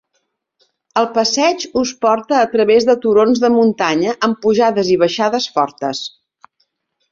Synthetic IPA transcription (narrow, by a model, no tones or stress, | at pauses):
əlˠpəsɛd͡ʒuspɔɾt̪əːt̪ɾəβezðət̪uɾonzðəmunt̪aɲəʔəmpuʒaðəziβəʃaðəsfɔɾt̪əs